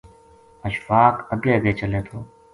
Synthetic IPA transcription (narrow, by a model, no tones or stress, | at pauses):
əʃfaːkəɡeːɡeːt͡ʃəleːt̪ʰoː